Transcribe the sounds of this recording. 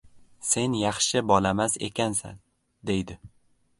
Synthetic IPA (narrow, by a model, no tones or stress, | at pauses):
se̞njɑχʃɪbɒlamaze̞̰kʲʰansa̰n | d̪e̞jd̪ɪ